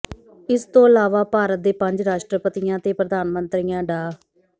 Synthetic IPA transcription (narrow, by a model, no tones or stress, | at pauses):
ɪst̪õːəlaːʋaːpaːɾət̪̚d̪eːpəɲd͡ʒɾaːʃʈɾəpət̪ijãːt̪eːpɾəd̪aːnmənt̪ɾijãːɖaː